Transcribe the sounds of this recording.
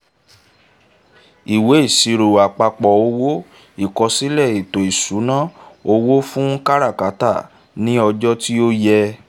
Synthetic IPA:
i˨we˨˦i˦˨si˧ɾo˨a˨k͡pa˧k͡pɔ˨o˧wo˦ | i˦˨kɔ˧si˦lɛ˦˨i˨to˨i˨su˨˦nã˦˨o˧wo˦fũ˦ka˦ɾa˦˨ka˨˦ta˦˨ | nĩ˦ɔ˧d͡ʒɔ˦ti˦o˦jɛ˧

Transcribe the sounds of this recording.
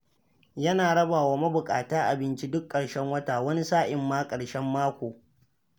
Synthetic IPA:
jɐ˦naː˨ɽɐ˦baː˨waː˦mɐ˦bʊ˨kʼa̰ː˨taː˦ʔa˨bɪ˦nt͡ʃi˦dʊ˦kʼːɐ˨ɽʃɛ˦ŋwɐ˦taː˨wɐ˦ni˦saː˦ʔɪ˨mːaː˦kʼɐ˨ɽʃɛ˦mːaː˦kʷoː˨

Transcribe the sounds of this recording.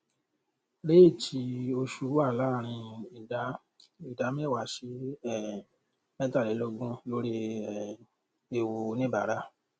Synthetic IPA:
le˦e˦˨tʰi˧o˧ʃu˧˦a˦˨la˨˦˨ɾ̃ĩ˧i˨da˨˦ | i˨da˨˦mĩ˦˨wa˨ʃi˦ɛ˦˨ | mɛ̃˦ta˦˨le˨˦lo˦˧ɡũ˦lo˧˦ɾe˧˨ | e˨wo˧nĩ˦ba˨ɾa˦˨

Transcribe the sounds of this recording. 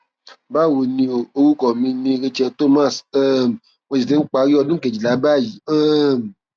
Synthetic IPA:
ba˦˨wo˨nĩ˧˨o˧wu˦kɔ˨mĩ˧nĩ˧ɾe˧t͡ʃɛ˧to˦mã˦˨sɛ˦˨m˨ | wɔ̃˧d͡ʒi˨tẽ˦n̩˦k͡pa˧˦ɾi˦ɔ˧dũ˦ke˨d͡ʒi˨la˨˦ba˦˨ji˨˦ɛ˦˨m˨

